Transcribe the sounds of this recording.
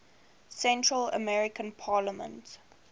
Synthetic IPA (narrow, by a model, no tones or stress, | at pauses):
sɛ̃ntʰɹələ̰mɛɹɪkə̃npʰɑːləmə̰̃nt